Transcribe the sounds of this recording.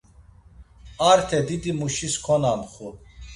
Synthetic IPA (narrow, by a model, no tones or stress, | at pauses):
aɾt̪ʰɛd̪id̪imuʃiskʰɔnanχu